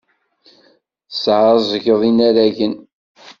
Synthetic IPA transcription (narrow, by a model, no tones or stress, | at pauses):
sʕɾzˤəʝəðˤinæɾæʝən